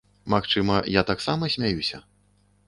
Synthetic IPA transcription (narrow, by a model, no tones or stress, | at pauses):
maxt͡ʂɨmɐjat̪aksamɐsʲmʲajusʲɐ̰